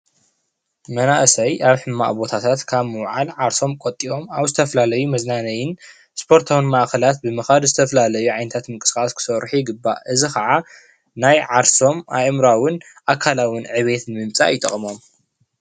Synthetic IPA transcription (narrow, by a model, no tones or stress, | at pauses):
mɐnaʔsɐjʔaβħɨmːa̰ʔbo̞t̪ʰat̪ʰat̪kʰaβmɨwʕalʕaɾso̞mkʼot̪ʼːiʔo̞maβzɨt̪ʰɐfɐlalɐjumɐznanɐjɪn | spʰo̞ɾt̪ʰawɨnmaʔkɐlat̪̚bɨmɨxad̪zɨt̪ʰɐfɐlalɐjuʕajnɐt̪ʰat̪mɨŋkʼɨ̥skʼaskʰɨ̥sɐɾħiɡɨbːa̰ʔɨzixʰɐʕa | najʕaɾso̞mʔajmɾawʊn | ʔakʰalawɨnʕɨβe̞t̪nɨmɨmt͡sʼa̰jɪt̪ʼɐ̰χʼmo̞m